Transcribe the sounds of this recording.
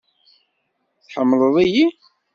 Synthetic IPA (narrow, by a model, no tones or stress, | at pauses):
θħəmːləðˤiji